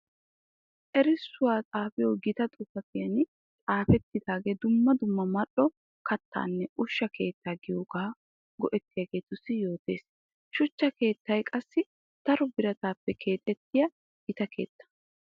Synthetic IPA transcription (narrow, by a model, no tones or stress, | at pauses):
ʔɛɾɪsːʊwaːt͡sʼaːfɪjoːɡɪt̪ɐt̪ʼʊfɐfɪjɐn | t͡sʼaːfɛt̪ːɪd̪aːɡe̞ːd̪ʊmːɐd̪ʊmːɐmɐɗɔ | kɐt̪ːa̰ːnːɛʔʊʃːɐkʰe̞ːt̪ːaːɡɪjoːɡaː | ɡɔʔɛt̪ːɪjaɡe̞ːt̪ʊsːɪjo̞ːt̪e̞̰ːs | ʃʊt͡ʃːɐke̞ːt̪ːɐjkʼɐsːɪ | t̪ɐɾɔbɪɾɐt̪aːpːɛkʰe̞ːt̪ʼːɛt̪ːɪjɐ | ɡɪt̪ɐke̞̰ːt̪ːɐ̥